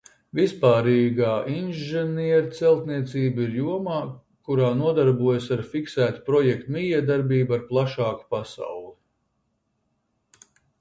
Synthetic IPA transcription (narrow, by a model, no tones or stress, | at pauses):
vispaːɾiːɡaːʔinʒɛniɛɾat̪sɛlˠt̪niɛt̪siːbiɾjuɔmaː | kuɾaːnuɔd̪aɾbuɔjasaɾfiksæːt̪u̥pɾɔjɛk̚t̪umʲijɛɛd̪aɾbiːbaɾplˠaʃɑːku̥pasa̰wlˠi